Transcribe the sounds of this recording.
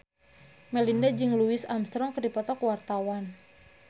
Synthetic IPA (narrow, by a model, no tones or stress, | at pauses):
mɛlindad͡ʒɨŋluisamst̪ɾɔŋkərdipɔt̪ɔkuwart̪awan